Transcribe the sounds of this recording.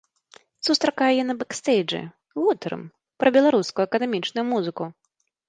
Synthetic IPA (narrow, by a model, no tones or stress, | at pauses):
sust̪ɾakajɛjɛnɐbɛkst̪ɛjʐɨ̰ | ɣut̪ɾɨ̰m | pɾɐbʲɛlˠaɾuskujuɐkɐd̪ɛmʲit͡ʂnʊjumuzɨku